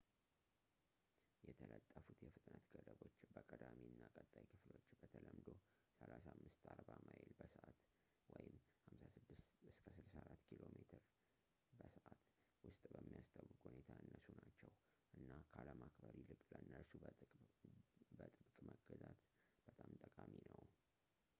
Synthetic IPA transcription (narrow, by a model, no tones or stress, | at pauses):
jɛt̪ʰələt̪ʼːəfut̪jɛfɨt̪ʼnət̪ɡ̥əd̪əβo̞t͡ʃːbəkʼəd̪amiɨnːakʼət̪ʼːajkʰɨflo̞t͡ʃːbət̪ʰələmd̪o̞ | səlasamːɨst̪aɾbamajɪlbəsəʔat̪ | wɔjɪmhamsasɨd̪ːɨst̪ɨskʰəsɨlsaɾat̪ːkʰilo̞met̪ʰɨɾ | bəsəʔat̪ | wʊst̪ʼbəmːijast̪ʰawːɨkʼhunet̪ʰaɨnːəsunat͡ʃːɛw | ʔɨnːakʰaləmakbəɾilɨkʼləɨnːəɾsu | bət̪ʼɨbkʼməɡəzat̪ | b̥ət̪ʼamt̪ʼəkʼaminəw